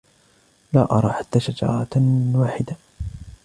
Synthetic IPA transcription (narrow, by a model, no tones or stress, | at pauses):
laːʔɑ̰ɾˤɑːħat̪ːaːʃad͡ʒɑ̰ːɾˤɑt̪waːħɪd̪a